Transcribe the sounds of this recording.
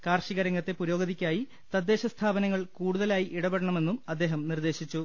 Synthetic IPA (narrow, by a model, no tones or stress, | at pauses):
kaːrɕiɣɐɾɐŋɡɐt̪ːe̞puɾo̞ːɡɐðikʲːaːji | t̪ɐd̪ːe̞ːɕɐst̪ʰaːbɐnɐŋːɐɭkuːɽuðɐlaːjiʔiɽɐbeɽɐɳɐme̞nːumɐd̪ːe̞ːɦɐmnird̪e̞ːɕit͡ɕːu